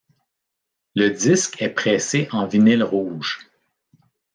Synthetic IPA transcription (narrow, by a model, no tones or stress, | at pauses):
ləd̪ɪskʲʰɛpχɛːseʔɑ̃vinɪlʁuːʒ̥